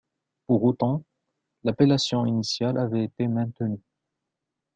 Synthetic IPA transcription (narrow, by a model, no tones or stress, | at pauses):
puʁot̪ɑ̃ | lapelasjɔ̃inisjalʔavɛet̪emɛ̃t̪əny